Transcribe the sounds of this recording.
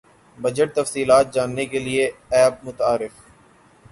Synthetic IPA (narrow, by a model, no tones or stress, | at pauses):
bɐd͡ʒəʈ̚t̪ɐfsiːlaːt̪̚d͡ʒaːnːekelieɛːb̚mʊt̪aːɾɪf